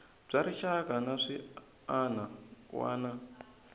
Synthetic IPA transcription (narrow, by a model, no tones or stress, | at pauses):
b͡ʐaɾiʃakanaʂi | anawa̰ːna